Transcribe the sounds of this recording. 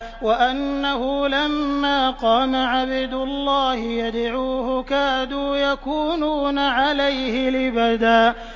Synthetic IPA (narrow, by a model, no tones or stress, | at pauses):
waʔanːahʊlamːaːqɑːmaʕabɪd̪ʊlːɑːhɪjad̪ʕuːhʊkaːd̪uːjakuːnuːnaʕalajhɪlɪbad̪aːʔ